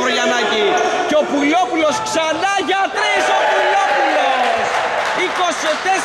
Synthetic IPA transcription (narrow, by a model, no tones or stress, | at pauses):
oʎɐnɐciceopulopulosksɐnɐʝɐt̪ɾisopulopulos | ikoset̪e